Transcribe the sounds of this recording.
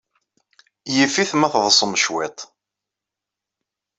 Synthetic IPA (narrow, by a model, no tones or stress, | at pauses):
jifiθmæθðˤəsˤəmʃwɪt̪ˤ